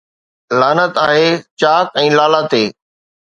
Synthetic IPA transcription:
laːnət̪aːɦeːt͡ɕaːkɛ̃ːlaːlat̪eː

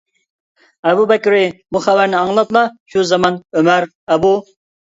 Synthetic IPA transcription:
ɛbubɛkʲɾɪbuχævæɾnɪɑŋlˠɑt̪lˠɑʃuzɑmɑnømæɾ | ɛbu

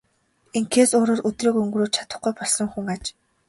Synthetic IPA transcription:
eŋkʰeːsʊːɾoːrʔɵt̪riːkɵŋɡrɾoːt̪t͡ɕʰḁt̪ə̆χɡujpɔɮə̆ŋxuŋat͡ɕ

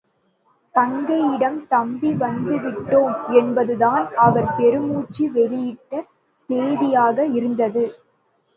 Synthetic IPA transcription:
t̪ɐŋɡɐjɪɽɐmt̪ɐmbiʋɐnd̪ɯʋɪʈːoːmɛnbɐðɯðaːnɐʋɐɾpɛɾɯmuːt͡ʃːiʋɛlɪjɪʈːɐ | seːðɪjaːɣɐɪɾɯnd̪ɐðɯ

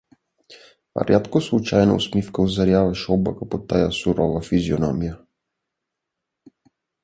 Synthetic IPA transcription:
a̰ɾjat̪kɔslˠut͡ʃajna̰ṵsmifkauzaɾjavaʃɔbakapɔt̪ːajasuɾɔvafizjonɔ̰mija

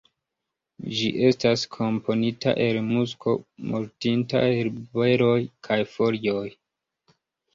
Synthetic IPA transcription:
d͡ʒiʔe̞staskʰo̞mpʰo̞nita̰ʔe̞lmusko̞̰muɾtinta̰elbe̞ɾo̞jkʰajfo̞lioj

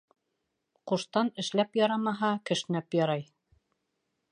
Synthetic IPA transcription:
quʃt̪ɑnɘ̆ʃlæpjɑɾɑmɑɦɑkɘ̆ʃɘ̆næpjɑɾɑj

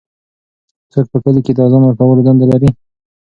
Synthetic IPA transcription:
t͡səɾ̚pəkəliked̪ɑzamaɾfawalod̪and̪alaɾi

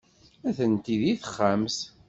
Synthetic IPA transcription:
æθənt̪iðiθə̥χːams

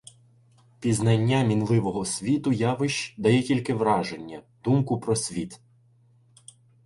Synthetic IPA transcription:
pʲiznɐnʲːamʲinlˠɪʋɔɦɔsʲʋʲit̪ʊjɑʋɪʃt͡ʃd̪ɐjɛkʲilʲkɪʋɾɑʒenʲːɐ | d̪̥umkʊpɾɔsʲʋʲit̪

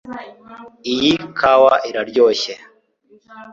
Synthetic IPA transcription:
ijikʰawaʔiɾaɾɟoːɕe

